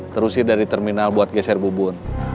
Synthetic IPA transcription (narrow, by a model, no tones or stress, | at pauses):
t̪əɾusɪdaɾit̪ɛrminalbuat̪̚ɡɛsɛrbubʊn